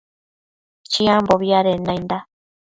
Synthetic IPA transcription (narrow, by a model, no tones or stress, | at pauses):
t͡ʃĩãmboβiaɾenãjnd̪a